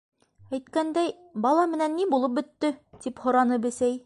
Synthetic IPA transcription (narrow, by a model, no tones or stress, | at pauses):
æjt̪kænd̪æj | bɑlˠɑmɘ̆nænːibulˠɤp̚bɵ̆t̪ːɵt̪iphŏɾɑnɤbɘ̆sæj